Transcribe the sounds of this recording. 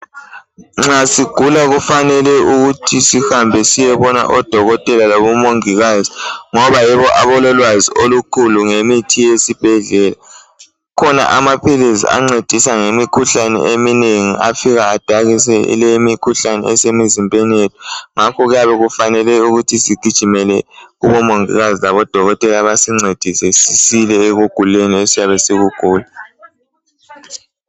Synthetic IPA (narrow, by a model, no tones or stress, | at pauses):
ŋ͡ǁasiɡ̥ʱulaɣufanɛlɛuɣutʰisihambʱɛsijɛβɔna̰ʔɔd̥ʱɔɣɔtʼɛlaloβumoŋiɣaziŋɔβajɛβɔʔaβɔlɔlwaziʔolukʰuluŋemitʰijesib̥ʱɛɮɛla | kʰɔna̰ʔamapʰilizḭa̰ŋ͡ǀed̥ʱisaŋemikʰuɬanɛ̰emineŋḭafiɣaːd̥ʱaɣisɛḭleimikʰuɬanɛ̰ɛsemizimbʱʼenijetʰu̥ŋakʰɔɣujaβɛɣufanɛlɛuɣutʰisiɡ̥ʱid̥ʒ̥ʱimɛlɛuβɔmoŋḭɣazilaβɔd̥ʱɔɣɔtʼɛlaβasiŋ͡ǀed̥ʱisɛsisilɛeɣuɡ̥ʱuleniesijaβɛsiɣuɡ̥ʱuːla